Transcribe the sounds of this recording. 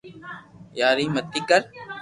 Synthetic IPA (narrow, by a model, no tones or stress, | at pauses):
jaːɾiːmət̪ːiːkəɾ